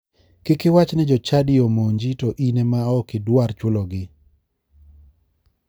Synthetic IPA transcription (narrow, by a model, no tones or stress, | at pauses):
kɪkɪwat͡ʃnɛd͡ʒɔt͡ʃadɪomoɲd͡ʒitɔʔinɛmaɔkɪdwaɾt͡ʃʊlɔɡɪ